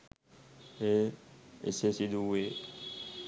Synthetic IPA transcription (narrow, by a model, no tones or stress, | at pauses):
eḛsesid̪uwe